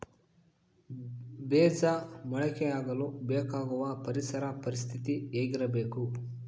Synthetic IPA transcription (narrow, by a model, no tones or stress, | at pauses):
beːd͡ʒɐmɐɭɛkɛjaːɡɐlubeːkaːɡuʋɐpɐɾisɐɾɐpɐɾist̪ʰit̪ieːɡiɾɐbeːku